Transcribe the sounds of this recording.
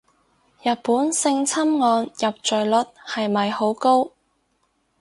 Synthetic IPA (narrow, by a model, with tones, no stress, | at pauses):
jɐ˨t̚puː˨˥nsɪ˧ŋt͡sʰɐ˥mŋɔː˧njɐ˨p̚t͡ʃɵ˨ɥlɵ˨˥t̚hɐ˨jmɐ˨jho˨˥wko˥w